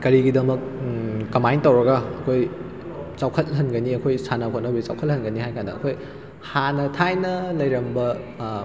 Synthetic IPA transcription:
kɐɾiɡidɐmɐk̚ːɐmajntɐwɾɐɡɐːkʰoj | t͡ʃawkʰɐt̚ɦɐnɡɐniɐkʰojsanɐkʰot̚nɐbit͡ʃa̰wkʰɐt̚hɐnɡɐniɦajkandɐɐkʰoj | hanɐtʰajnɐlɐjɾɐmbɐ

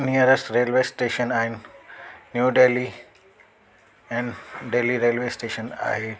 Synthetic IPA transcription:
nijəɾəsʈɾeːlʋesʈeːʃənaːinː | juːɖeli | ɛ̃ɳɖɖeːliɾeːlʋesʈeːʃəna̰ːɦe

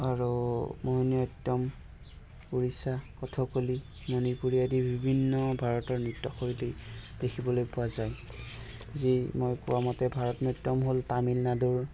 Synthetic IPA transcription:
aɹumoɦinɔtːɔm | puɹisakɔtʰɔkoli | nonipuɹijadibʱibʱinːɔbʱaɹɔtɔɹnutːɔxoɹiti | dekʰibɔlojpʊwazaj | zimojkuwamɔtɛbʱaɹɔtnɔtːɔmɦoltamilnaduɹ

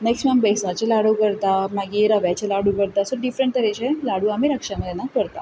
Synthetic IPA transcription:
neksʈmambeisnat͡ɕelaɽəkəɾt̪amaɡiɾaʋjat͡ɕelaɽukəɾt̪asɔɖifɾəɳʈt̪əɾet͡ɕelaɽuamiɾəkʂaməd̪ʱjenakəɾt̪a̰

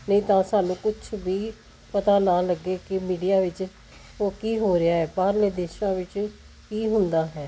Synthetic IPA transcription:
nəĩːt̪ãːsaːnũːkʊt͡ʃʰʋiː | pət̪aːnaːləɡːeːkɪmiːɖijaːʋɪt͡ʃ | oːkiːɦoːɾɪjaːɦɛːpaːɾleːd̪eːʃãːʋɪt͡ʃ | kiːɦʊnd̪aːɦɛː

